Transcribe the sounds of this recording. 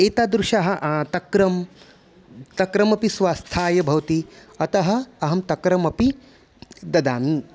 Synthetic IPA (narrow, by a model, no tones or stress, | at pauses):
eːt̪aːd̪ɾuʃaɦɐ̆ʔt̪ɐkɾɐm | t̪ɐkɾɐmɐpisʋaːst̪ʰaːjɐbʱɐʋɐt̪iɐt̪ɐɦɐːɐɦɐmt̪ɐkɾɐmɐpi | d̪ɐd̪aːni